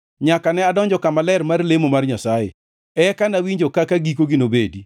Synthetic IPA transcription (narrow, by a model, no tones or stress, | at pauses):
ɲakanɛadɔɲd͡ʒɔkamalɛrmarlemomarɲasajḛ | ɛkanawiɲd͡ʒokakaɡikoɡɪnobedi